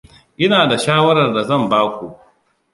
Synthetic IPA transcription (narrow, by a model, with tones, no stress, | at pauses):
ʔɪ˦naː˨da˨ʃaː˦wɐ˦ɾɐ˨rda˨zɐ˦˨mbaː˦kʷu˨ʔ